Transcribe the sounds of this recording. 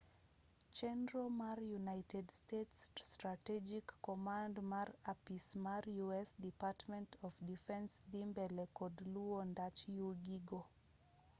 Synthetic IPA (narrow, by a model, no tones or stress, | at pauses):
t͡ʃɛnɹomaɾjunajtʰɛdstetsːtɹatɛd͡ʒikːɔmãndmaɾapismaɹjuɛsdipatmɛ̃ntʰɔfdifɛ̃nsdimbɛlɛkɔdluondat͡ʃjuɡiɡo